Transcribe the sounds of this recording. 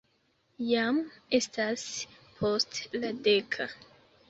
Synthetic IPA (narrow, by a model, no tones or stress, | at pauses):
jame̞staspʰo̞stladekʰa